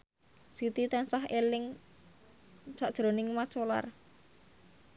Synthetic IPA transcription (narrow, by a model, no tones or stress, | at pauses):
sit̪it̪ɛnsaɦelɪŋ | saʔd̥ʒ̥ɾo̤nɪŋmḁt͡ʃola̰r